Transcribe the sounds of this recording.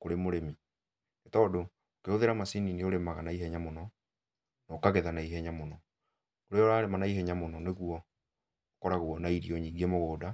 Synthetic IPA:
koɾemoɾemi | netɔːdo | okeoðeɾamasinineoɾemaɣanaiɦɛɲamonɔ | nɔkaɣeðanaiɦɛɲamonɔ | oɾeɔɾaːɾemanaiɦɛɲamonɔneɣuɔ | okɔɾaɣuɔnaiɾiɔɲiːɡemoɣoːda

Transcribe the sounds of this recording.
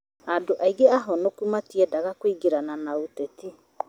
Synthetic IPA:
adoʔaiɣeaɦɔnokumatiɛdaɣakwiɡeɾananaotɛti

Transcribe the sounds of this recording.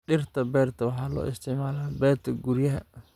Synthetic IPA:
ɗɪrt̪ʰɐbɛːrt̪ʰɐwɑħɑːlɔ̰ːʔɪst̪ʰɪʕmaːlaːbɛːrt̪ʰɐɡuɾjɐɦɐ

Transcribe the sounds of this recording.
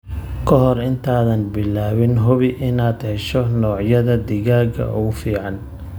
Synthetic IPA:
kʰɔɦɔrɪnt̪ʰaːðɐnbɪlaːwɪnɦʊβɪʔɪnaːd̪hɛʃɔnɔːʕjɐðɐd̪ɪɣaːɣɐ̰ʔʊ̰ɣʊfiːʕɑn

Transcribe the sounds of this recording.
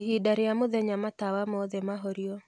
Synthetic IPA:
hidaɾejamoðɛɲamatawamɔðɛmaɦɔɾiɔ

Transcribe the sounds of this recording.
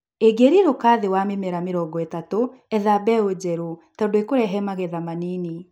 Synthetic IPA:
eɡeɾiɾokaːðewamemɛɾameɾɔɡɔetatoɛðabɛod͡ʑɛɾotadoekoɾɛɦɛmaɣeðamanini

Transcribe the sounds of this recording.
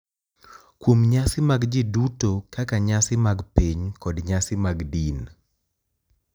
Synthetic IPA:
kwomɲasɪmaɡd͡ʒɪdutokakaɲasɪmaɡpeɲkɔdɲasɪmaɡdin

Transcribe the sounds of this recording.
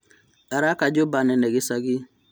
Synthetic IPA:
aɾakad͡ʒobanɛnɛɡisaɡi

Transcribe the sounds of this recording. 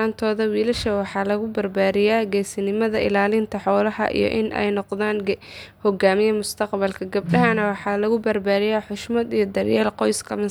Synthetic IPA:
aːnt̪ʰɔːðɐwiːlɐʃɐwɑħɑːlɐɣʊbɐrbaːɾɪjaːɡɛjsɪnɪmɐðɐʔɪ̰laːlɪnt̪ʰɐħɔːlɐɦɐ̰ʔḭjɞ̰ʔɪnʔɛ̰jnɔqðaːn | hɔɡaːmɪjɐmʊst̪ʰɐqbɐlkʰɐɡɐb̚ɗɐɦɐnɐwɑħɑːlɐɣʊbɐrbaːɾɪjaːħʊʃmɐd̪ijɞd̪ɐrjaːlqɔjskʰɐmɐ

